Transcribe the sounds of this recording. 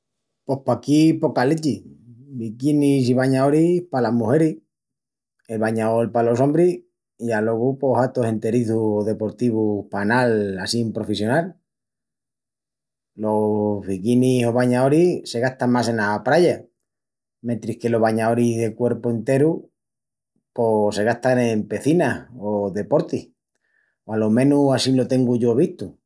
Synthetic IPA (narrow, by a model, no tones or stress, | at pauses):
po̞hpakipo̞kalet͡ʃibikinis̬iβaɲaoɾihpalamuhe̞ɾi | elβaɲaolpalo̞so̞mbɾi | ialo̞ɣupo̞ɦat̪o̞se̞nt̪e̞ɾiθuðe̞po̞ɾt̪iβupanalasimpɾo̞fesjo̞nal | lo̞βikiniso̞β̞aɲao̞ɾise̞ɣaht̪amase̞napɾaʝa | ment̪ɾihke̞lo̞ɦβaɲaoɾiðe̞kwe̞ɾpoent̪eɾu | po̞se̞ɣ̞aht̪anempe̞θinaoðe̞po̞ɾt̪ih | oalomẽ̞nuasilo̞t̪e̞ŋɡuʝo̞β̞iht̪u